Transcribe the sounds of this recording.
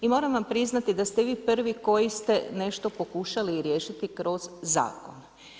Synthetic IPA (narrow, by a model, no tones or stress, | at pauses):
imo̞ːɾamʋampɾiznat̪id̪ast̪eʋiːpr̩ʋiko̞jist̪e̞ne̞ʃt̪o̞po̞kuʃaliɾjeːʃit̪ikɾo̞z̥ːa̰ːko̞̰n